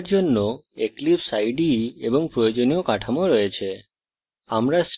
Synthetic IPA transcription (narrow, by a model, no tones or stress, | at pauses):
ɾd͡ʒɔnːoeklipsajɖiebɔŋpɾɔjod͡ʒɔnijokaʈʰamoɾəjet͡ʃʰe | amɾas